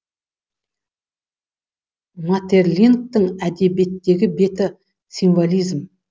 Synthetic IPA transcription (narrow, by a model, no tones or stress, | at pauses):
mat̪e̞rlʲink̚t̪əŋæd̪e̞be̞t̪ːe̞ɡʲɪbe̞t̪ɪ | sʲinvolʲijzm